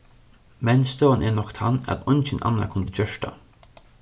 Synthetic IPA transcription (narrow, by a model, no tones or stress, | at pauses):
mɛnst̪oːnʔɛnɔkt̪ʰanæ̰t̪ɔjnt͡ʃɪnʔa̰nːa̰kʰʊnd̪əd͡ʒœʂʈa̰